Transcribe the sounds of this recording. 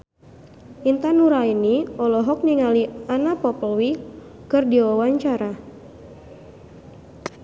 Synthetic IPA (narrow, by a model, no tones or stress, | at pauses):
int̪anuɾainiɔlɔɦɔk̚niŋalianapɔpəlwi | kɨrdiwawaɲt͡ʃaɾa